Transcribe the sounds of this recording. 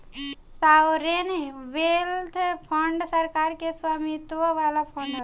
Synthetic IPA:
sawɾenʋelt̪ʰpʰəɳɖsəɾkaɾkeswamit̪ʋəʋalapʰəɳɖ

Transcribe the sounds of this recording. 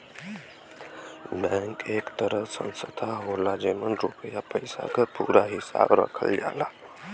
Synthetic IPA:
bɛ̃ŋkekt̪əɾəsə̰̃nsət̪ʰaɦolad͡ʒemənɾupəjapəjsa̰kəpuɾaɦisa̰bɾə̰kʰəld͡ʒa̰la

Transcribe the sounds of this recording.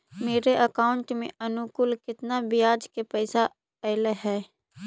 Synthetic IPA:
meːɾeʔəkaːʊɳʈmḛ̃ənʊkʊlkɪt̪nabɪjaːd͡ʒkepɛːsa | ɛɪleɦɛː

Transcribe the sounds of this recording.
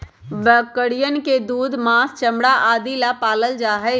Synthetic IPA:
bəkːəɽijənked̪uːd̪maːst͡ʃəmɽaʔaːd̪ilapaːləld͡ʒaːɦəɪ

